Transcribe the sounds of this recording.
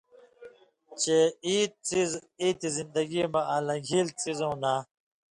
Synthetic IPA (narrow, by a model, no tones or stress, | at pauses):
t͡ɕeiːt̪t͡siziːt̪izind̪ɐɡimɐãːlɐ̃ɡʱilt͡sizõːna